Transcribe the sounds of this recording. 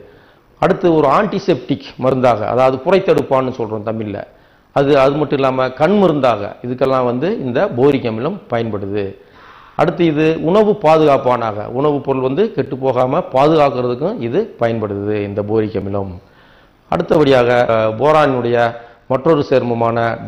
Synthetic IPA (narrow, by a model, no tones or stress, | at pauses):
ɐɽɯt̪ːɐɔɾɯaːɳʈisɛp̚ʈɪkːmɐɾɯnd̪aːɣɐ̰ɐ̰ðaːʋɐðɯkʊrɐɪt̪ːɐɽɯpːaːnːɯsɔlrõːt̪ɐmːɪɪlːɐ̰ | ɐðɯɐðɯmɐʈːɯ̃mɪlːaːmɐkɐɳmɪɾɯnd̪aːɣɐ̰ɪðɯk̬ːɛlːãːʋɐnd̪ɯɪnd̪ɐboːɾɪk̬ːɐmɪlɐmpɐjɐnpɐɽɯðɯ | ʔɐ̰ɽɯt̪̬ːɐɪðɯʊɳɐʋɯpaːðɯɣaːpːaːnaːɣɐ̰ʊɳɐʋɯpːɔɾɯlʋɐnd̪ɯkɛʈːɯpːoːɣaːmɐpaːðɯɣaːkɯɾɐðɯkːʊ̃ɪðɯpɐjɐnpɐɽɯðɯɪnd̪ɐboːɾɪkʲːɐmɪlɐm | ɐ̰ɽɯt̪ːɐʋɐɽɪjaːɣɐboːɾaːnɯɽɐjɐ | mɐʈːrɔɾɯseːɾmɐmaːnɐ